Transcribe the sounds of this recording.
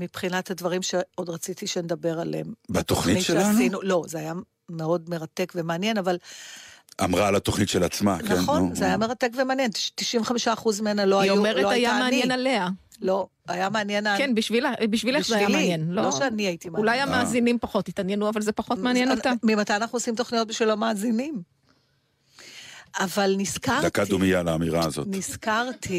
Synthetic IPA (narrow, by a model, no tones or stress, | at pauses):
mipχinat̪hadvaʁimʃe̞o̞dʁat͡sit̪iʃened̪ɐbe̞ʁalembat̪oχniitt͡ʃeasinulo̞zeaja | meo̞dme̞ʁate̞kvemeanje̞naval | ʔa̰mʁalat̪oχnitʃelat͡sma̰kneχonzeajameʁatekvemeanjenʃt̪iʃiɱveχamiʃaːχuzmenalo̞ajoumeʁeoajameanjenalea | lo̞ | ajameanjenakenbiʃvilabiʃvilezajvialienloloʃeaniajit̪imaulajajamaːzinimpaχo̞tnit̪anjenuavalzepaχomeanjenoamimat̪ajanaχnuosimt̪o̞χnijo̞t̚biʃvilo̞maːzinim | avalniskaʁd̪atkad̪umijalaːmiʁazotniskaʁt̪ʰi